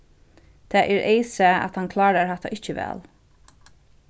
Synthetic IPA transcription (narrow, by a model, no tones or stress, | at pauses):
t̪ʰaːʔɛɾʔeɪsɛa̰t̪hankʰlɑːɾaɹhat̪a̰ʔɪht͡ʃəʋɛ̰ːl